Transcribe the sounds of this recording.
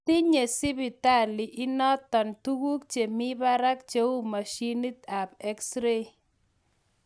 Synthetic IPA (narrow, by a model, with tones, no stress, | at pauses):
ti˦ɲe˨sɪ˦bi˨ta˦˨lɪ˨ʔɪ˦nɔ˦t̪ːɔ˨ntu˦ɡu˦kt͡ʃe˨mi˦ba˦ɾa˦k̚t͡ʃe˦u˦ma˨ʃi˦ni˦t̪a˨pɛ˦ksɾe˦